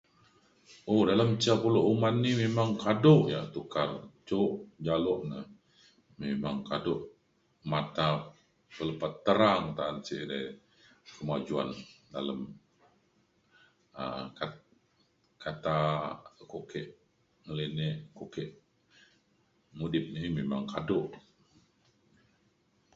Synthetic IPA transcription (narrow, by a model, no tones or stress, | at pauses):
odalamt͡ʃiapuloʔumanːimemaŋkadoʔja̰ʔt̪ukart͡ʃoʔd͡ʒalɔʔnəh | memaŋkadoʔ | mat̪a | pələpat̪ːəɾaŋt̪aant͡ʃiʔda | kəmad͡ʒua̰ndaləm | əka | kʰat̪akokɛʔ | ŋəlineʔkokɛʔ | mudɪp̚nimemaŋkadʊʔ